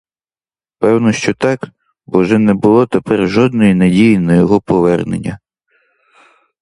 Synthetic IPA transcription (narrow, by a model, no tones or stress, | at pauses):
pɛwnɔʃt͡ʃɔt̪ɑk | ʋɔʒɛnɛbʊlˠɔt̪epɛrʒɔd̪̚nɔjinɐdʲijinɐjɔɦɔpɔʋɛrnḛnʲːɐ